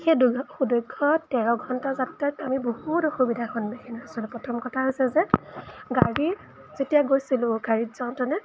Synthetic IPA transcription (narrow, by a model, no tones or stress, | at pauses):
xedxudɔjɡʰʱɔtɛɹɔɡʱɔntazattajtamibohutɔxubidʱaxɔnmexʰiniasɔlʊpɹɔtʰɔmkɔtʰaɦojsɛzɛɡaɹi | zetijaɡojsilʊ̃ɡaɹitzaʊntɔnɛ